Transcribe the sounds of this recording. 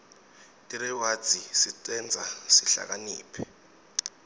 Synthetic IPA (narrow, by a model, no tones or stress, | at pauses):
tʼiɾɛwad̥d͡z̥ʱisitʼɛnd͡zʱasiɬa̰k̬aniːpʰɛ